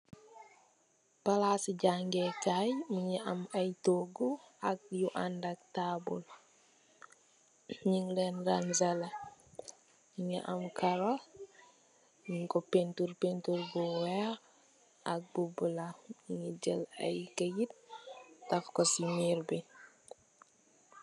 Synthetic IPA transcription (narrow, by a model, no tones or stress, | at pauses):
pɐlasiɟaŋɡɛkajmiɲiʔɐmɐjtoɡuak̚juʔandak̚tabul | ɲiŋlɛnɾanzɐlɐ | iɲiʔɐmkʰɐɾɔ | ɲiŋkɔpentuɾpentuɾbuwɛ | ɐk̚bubulaiŋid͡ʒəlɐ̰jkəjit̚tɐfkɔsimiɾbi